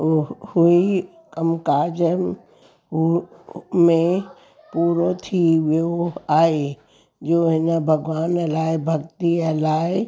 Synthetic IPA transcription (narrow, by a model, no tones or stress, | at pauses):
hui | kəmkaːd͡ʒəm | mẽ | puːɾot̪ʰiʋoaːe | d͡ʒoːɦɪnabʱəɡʋaːnɐlaːebʱɐɡt̪iɐlaːe